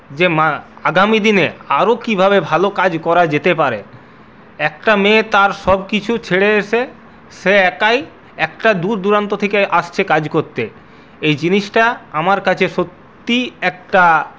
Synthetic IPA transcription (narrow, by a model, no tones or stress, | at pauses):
d͡ʑemaaɡamid̪ineaɾokibʱabebʱalokad͡ʑkɔɾad͡ʑet̪epaɾe | ɛk̚ʈamẽt̪aɾʃɔb̚kit͡ɕʰut͡ɕʰeɽeeʃe | ʃeɛkaj | ɛkʈad̪uɾd̪uɾant̪ot̪ʰekeʔaʃt͡ɕʰekad͡ʑkoɾt̪e | ejd͡ʑiniʃʈaamaɾkat͡ɕʰeʃot̪ːiɛk̚ʈa